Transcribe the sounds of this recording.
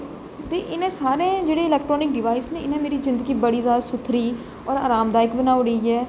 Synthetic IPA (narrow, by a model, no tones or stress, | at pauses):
t̪eːʔɪnẽːsaːɾẽːd͡ʒeːɽeːɪlɛːk̚ʈɾoːnɪk̚ɖɪʋaːisnẽːɪnẽːmeːɾiːzɪ̃nd̪əɡiːbəɽiːd̪aːɾsʊt̪ʰɾiː | ɔːɾa̰ːɾaːmd̪aːɪkbənaːʊɽiːɛː